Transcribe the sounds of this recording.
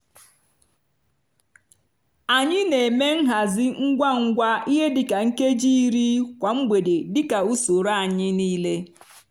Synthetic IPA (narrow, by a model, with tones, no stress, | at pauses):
a˨ɲɪ˦ne˨me˦ŋ̩˦ɦa˨zɪ˦ŋ̩˦ɡʷa˦ŋ̩˦ɡʷa˦i˦ɦe˦dɪ˨ka˨ŋ̩˦ke˦d͡ʒi˦ɾi˦kʷa˨ŋ͡m̩˦ɡ͡bʷe˨de˨dɪ˦ka˨u˦so˨ɾa˦a˨ɲɪ˦niː˦le˦